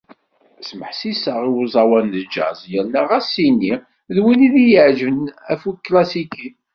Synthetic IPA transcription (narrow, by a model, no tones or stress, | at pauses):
sməħsisəʁiwuzˤɑwænd͡ʒə̰ʕzˤjəɾnæʁæsinːi | ðwiniðijəʕʒvənæfukːlæsiki